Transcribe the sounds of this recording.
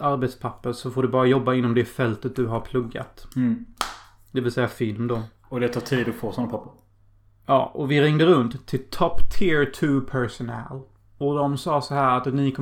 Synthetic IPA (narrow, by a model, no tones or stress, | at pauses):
aɾbet̪spʰapːəɾsɔfoːɖɵbɑːɾajɔbːaɪnːɔmd̪ɛfɛlt̪ət̪̚d̪ɵɦaɾpʰlɵɡːa̰t̪ | d̪ɛvɪlsɛjːafɪlmd̪ɔ | ɔd̪ɛt̪ʰɑːʈʰiːd̪ɔfoːsɔnapʰapːəɾ | jɑ̰ːʔɔvɪɾɪŋd̪əɾɵnt̪ʰːɪlt̪ʰɔpːt̪ʰɪɹt̪ʰʉːpʰɛɾsʊnɛ̰l | ɔd̪ɔmsɑːsɔɦæːɾat̪nɪkʰɔ